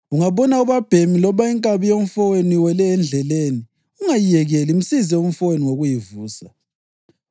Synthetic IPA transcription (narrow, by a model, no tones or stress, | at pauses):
uŋaβɔnauβab̥ʱemilɔβaiŋkʼaβijom̩fɔweniwɛlɛːnd͡ɮʱɛleni | uŋajijɛɣɛlim̩sizɛum̩fɔweniŋoɣujivuːsa